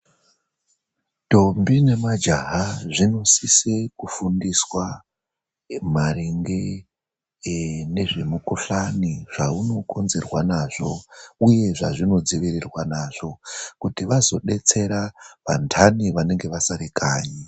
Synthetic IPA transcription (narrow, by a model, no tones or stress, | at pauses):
to̞mbine̞mad͡ʒaɦaʐino̞sisekufundiswa | mareŋɡe̞ | ne̞ʐe̞mukoɬaniʐ̥auno̞ko̞nze̞rwanaʐo̞uje̞ʐaʐino̞d͡ziʋirirwanaʐ̥o̞kutiʋazo̞̰ɗe̞t͡se̞ɾaʋa̰ntʰaniʋane̞ŋɡe̞ʋasaɾikaːɲi